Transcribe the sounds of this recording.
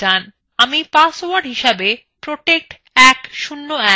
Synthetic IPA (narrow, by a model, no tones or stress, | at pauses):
an | amipasowaɖɦiʃabe | pɾoʈek̚ʈ | ɛkʃunːoɛ